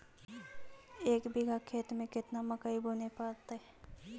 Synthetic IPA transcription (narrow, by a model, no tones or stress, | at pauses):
eːkbɪɡʱakʰeːt̪mẽkɪt̪namɐkaiboːnepaːɾt̪aɦɛ